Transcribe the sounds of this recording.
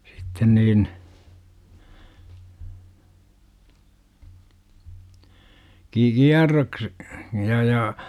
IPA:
sitːen niːn ki kiɑrːoks jɑ jɑ

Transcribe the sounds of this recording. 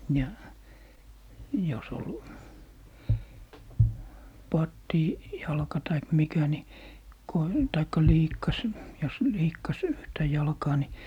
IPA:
jɑ jos ol pɑtːiˑ jɑlkɑ tɑik mikæ ni ko tɑikːɑ liːkːɑs jos liːkːɑs yhtæ jɑlkɑː ni

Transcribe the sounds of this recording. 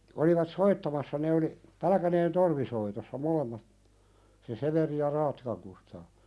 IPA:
oliʋɑt soitːɑmɑsːɑ ne oli pælæ̆kæneːn torʋisoitosːɑ molemːɑt se seʋeri jɑ rɑːtːikɑŋ kustɑː

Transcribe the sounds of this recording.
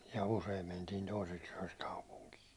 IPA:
jɑ useim mentiːn̞ toiseks yæ̹ks kɑupuŋkiː

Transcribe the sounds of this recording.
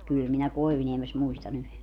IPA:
kyˑl minæ koiʋŭniemes muistɑn yhe

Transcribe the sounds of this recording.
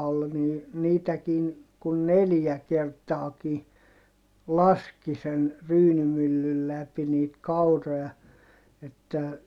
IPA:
ol ni niːtækiːn kun neljæ kertɑːki lɑski sen ryːnymylːyl læpi niːt kɑuroj̆ɑ etːæ

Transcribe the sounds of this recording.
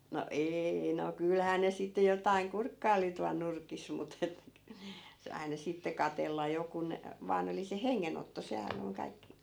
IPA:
no eːi no kylhæː ne sitːe jotɑiŋ kurkːɑi̯li tuɑl nurkis mut et k se ɑinɑ sitːe kɑtelːɑ jo kun ʋɑːn oli se heŋːenotːo sehæn oŋ kɑikːi̥

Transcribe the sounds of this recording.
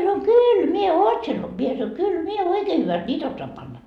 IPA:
sɑnoi kyːl mie oːtsen mie sɑnoi kyl mie oikeː hyʋæst nʲiːt osːoɑm pɑnːɑ

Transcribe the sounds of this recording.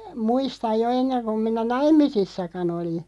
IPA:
muistɑj̆ jo enːeŋ kum minæ nɑimˑisisːɑkɑn oli

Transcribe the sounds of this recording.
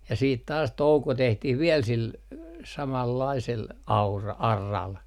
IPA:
jɑ siːt tɑːs touko tehtih ʋiɛl sil sɑmɑlːɑisel ɑurɑ ɑrːɑl

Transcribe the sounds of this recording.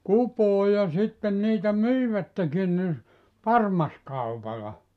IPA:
kupoː jɑ sitːen niːtæ myiʋætːekin ni pɑrmɑskɑupɑlɑ

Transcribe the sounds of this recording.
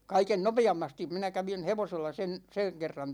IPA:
kɑiken nopeɑmːɑstim minæ kæʋin̞ heʋoselːɑ sen seŋ kerːɑn

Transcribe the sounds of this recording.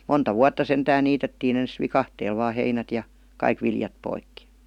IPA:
montɑ ʋuɑtːɑ sentæːn niːtetːiːn ens ʋikɑhteːl ʋɑː heinæt jɑ kɑik ʋiljɑp poikːi

